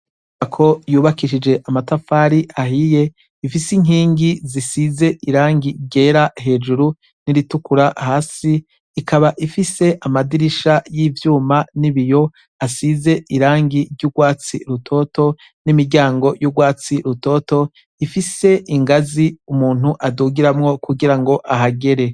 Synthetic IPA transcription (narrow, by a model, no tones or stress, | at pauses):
akʰo̞juːβakiʃid͡ʒe̞ʔamatafaːɾiʔaɦije̞ | ifisiŋɦiːŋɡizisize̞ʔiɾaːŋɡiɾɟe̞ːɾaɦe̞ːd͡ʒuɾu | niɾitukuɾahaːsiː | kʰaβaʔifise̞ʔamadiɾiʃajivjuːmaniβijo̞ | asize̞ʔiɾaːŋɡiɾɟuɡwaːt͡sḭɾutʰo̞ːto̞ | nimiɾɟaːŋɡo̞juɡwaːt͡siɾuto̞ːto̞ | ifise̞ʔiŋɡaziumuːn̥huʔaduːɡiɾamŋo̞kuɡiɾaŋɡo̞ʔaɦaɡe̞ɾe̞